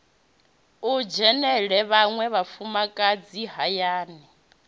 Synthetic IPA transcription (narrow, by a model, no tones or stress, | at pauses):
ud͡ʒɛnɛɺɛβaŋwɛβafumakʼad͡ziɦajaːnɛ